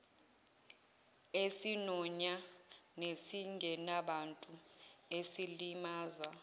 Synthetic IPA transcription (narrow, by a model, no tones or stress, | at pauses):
esinɔɲanesiŋʱɛnaɓantʼuesilimaːza